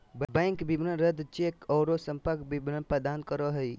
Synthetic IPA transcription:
bbɛɪŋkbibnənɾəd̪t͡ʃekɔːɾosə̃mpəɾkbibnəpəd̪ankəɾɔɦəi

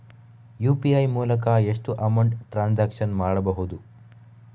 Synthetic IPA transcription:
juːpiɐjmuːlɐkɐeʂʈuʔɐmɐwɳɖʈɾaːnd͡ʒaːkʂɐnmaːɽɐbɐɦud̪u

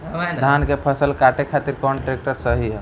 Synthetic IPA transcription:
d̪ʱaːnkepʰəsəlkaːʈekʰaːt̪iɾkɔːnʈɾeːk̚ʈəɾsəɦiɦɛ

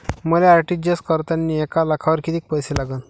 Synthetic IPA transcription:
məleaɾʈid͡ʑəskəɾt̪anːiekalakʰaʋəɾkit̪ik̚pəjselaɡən

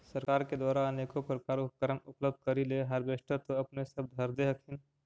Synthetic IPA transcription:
səɾkaːɾked̪waːɾanekopɾəkaːɾop̚kəɾəmʊpləb̚d̪̚ʱkəɾileɦəɾbeʃʈət̪oɐpnesəb̚d̪ʱəɾd̪eɦəkʰɪn

